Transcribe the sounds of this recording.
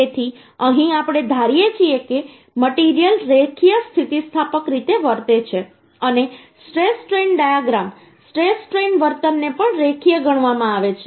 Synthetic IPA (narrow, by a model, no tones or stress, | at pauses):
et̪ʰi | əɦĩapɽ̃ed̪ʱaɾijet͡ʃʰieke | məʈiɾijəlɾekʰijəst̪ʰit̪ist̪ʰapəkɾit̪eʋəɾt̪et͡ʃʰe | əne | sʈɾesʈɾenɖajaɡɾam | sʈɾesʈɾenʋəɾt̪ənːepəɳɾekʰijəɡəɳ̃ʋamãaʋet͡ʃʰe